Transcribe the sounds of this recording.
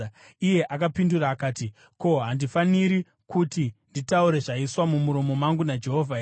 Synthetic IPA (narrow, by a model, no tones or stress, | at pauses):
ije̞ʔakapinduraːkaːti | ko̞ɦandifaniɾi | kutinditauɾe̞ʐaiswamumuɾomo̞maŋɡunad͡ʒe̞ɦo̞ːvʱa